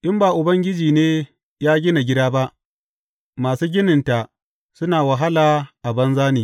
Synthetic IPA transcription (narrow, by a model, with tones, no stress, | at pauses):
ʔɪ˦mbaː˨ʔʊ˨bɐ˦ŋɡʲɪ˦d͡ʒiː˨neː˦ | jaː˦ɡʲɪ˦na˨ɡʲɪ˦daː˦ba˦ʔ | maː˨suː˦ɡʲɪ˦nɪ˨nta˨ | sʊ˦naː˨wa˨ɦa˦laː˨ʔa˨bɐ˦nzaː˦niː˨